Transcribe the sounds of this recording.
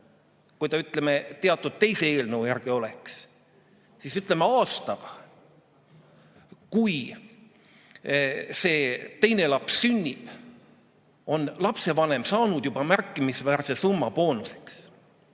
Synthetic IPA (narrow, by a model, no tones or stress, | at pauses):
kujt̪ɑyt̪ˑle̞me̞t̪e̞ɑt̪ːˑud̪̥̚t̪e̞jse̞eːlnəwjæɾɡ̥io̞le̞ks | sisyt̪ːˑle̞me̞ɑːst̪ɑɡ̥ɑ | kuj | se̞ːt̪e̞jne̞lɑpssynʲːib̥ | o̞nlɑpse̞vɑne̞msɑːnud̪̥jub̥ɑmærkːˑimisvæːrse̞sumːɑpo̞ːnuse̞̥ks